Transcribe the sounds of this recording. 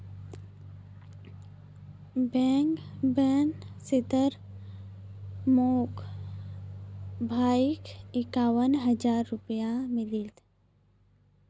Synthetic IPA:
bɛ̃ːŋkbɛːnsɪt̪əɾ | moːk | bʱaːɪkɪkaːwənɦəd͡ʒaːɾːʊpjamɪlit̪

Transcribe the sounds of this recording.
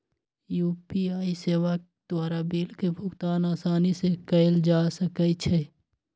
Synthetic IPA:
juːpiaːiseːwa | d̪̥waːɾabiːlkebʱʊɡt̪aːnaːsaːnisekəɪld͡ʒaːsəkət͡ʃʰɛ

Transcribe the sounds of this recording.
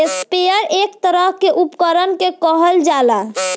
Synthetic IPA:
espejəɾʔekt̪əɾəɦkeʔupkəɾənkekəɦəld͡ʒala

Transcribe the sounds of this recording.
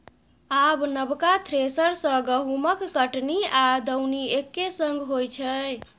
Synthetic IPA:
abnəbkat̪ʰɾesəɾsə̃ɡəɦuməkːəʈniad̪əwniekːesə̃ŋɡʱɦojt͡ʃʰə

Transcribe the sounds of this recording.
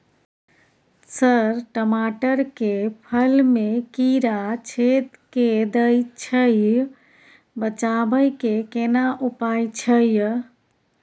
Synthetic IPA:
səɾʈəmaʈəɾkepʰəlmekiɾat͡ʃʰet̪ked̪əjt͡ʃʰəj | bət͡ʃabəjkekenaʔupajt͡ʃʰəj

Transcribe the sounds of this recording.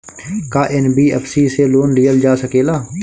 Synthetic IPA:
kaːʔɛnbiːɛ̰pʰsiːseloːnɖiːəld͡ʒaːsəkeːlaː

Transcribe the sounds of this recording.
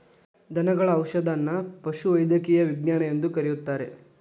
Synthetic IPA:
d̪ʱɐnɐɡɐɭɐːwʃɐd̪ɐnːɐpɐʃuʋɐjd̪ɐkijɐʋiɡɲaːnɐjend̪ukɐɾijut̪ːaːɾe̞̰

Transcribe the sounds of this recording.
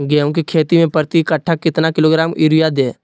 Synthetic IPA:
ɡɛːõkikʰeːt̪imẽpəɾt̪ikəʈʰːakɪt̪nakɪloːɡɾaːmɪɾijad̪eː

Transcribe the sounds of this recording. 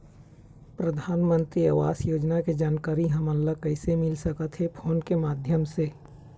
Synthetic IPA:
pɾɐd̪ʱaːnmə̃nt̪ɾiaːʋaːsjoːd͡ʒnaked͡ʒaːnkaːɾiɦɐmɐlləkɐɪsemɪlsɐkət̪ɦepʰoːnkemaːd̪ʱjəmse

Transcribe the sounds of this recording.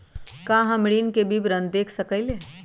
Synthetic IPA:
kãːɦəmɽiːnkebʱibɾə̃nd̪d̪eːkʰsəkəɪleː

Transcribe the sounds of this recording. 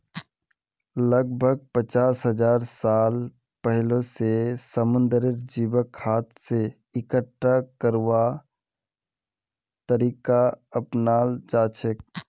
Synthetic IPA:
ləɡ̚bʱəɡ̚pət͡ʃaːsɦəd͡ʒaːɾsaːl | pəɦɪlosesəmʊ̃nd̪ɾɪɾd͡ʒiːbəkhaːt̪se | ɪkəʈːakəɾʋa | t̪əɾiːkaəpnaːld͡ʒaːt͡ʃʰek̚

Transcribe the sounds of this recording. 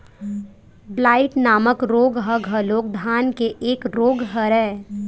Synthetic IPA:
blaːɪʈnaːməkɾoːɡɦəɡɦəloːk̚d̪ʱaːnkeʔeːkɾoːɡɦəɾɛː

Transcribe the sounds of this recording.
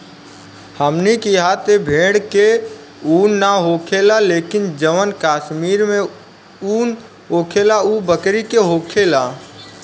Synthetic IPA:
həmnikiɦat̪ebʱeɽke | unːaɦokʰelalekind͡ʒəʋənkaːʃmiɾmẽ | un | ɦokʰelaubəkɾikeɦokʰela

